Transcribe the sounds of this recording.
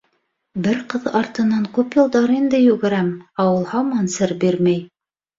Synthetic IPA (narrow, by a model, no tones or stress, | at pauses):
bɘɾqɤðɑɾt̪ɤ̆nɑŋkʉpjɤ̆lˠd̪ɑɾind̪ɘjʉɡɘ̆ɾæmɑwɤlˠhɑmɑnsɘɾbiɾmæj